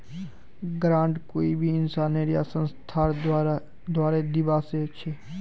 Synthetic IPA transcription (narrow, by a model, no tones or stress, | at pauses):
ɡɾãːɳɖkoːibʱiɪnsaːneːɾijasə̃nst̪ʰaː | d̪waːɾed̪ɪbaːseɐkʃʰeː